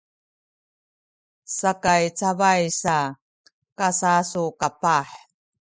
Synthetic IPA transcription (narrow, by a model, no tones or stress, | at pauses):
sakajt͡savajsa | kasasukapaħ